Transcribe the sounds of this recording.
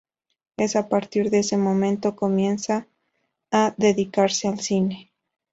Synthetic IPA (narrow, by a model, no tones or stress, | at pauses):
e̞sapaɾt̪iɾðeese̞mõ̞mẽ̞nt̪o̞ko̞mje̞nsaː | ðe̞ðikaɾse̞alsine̞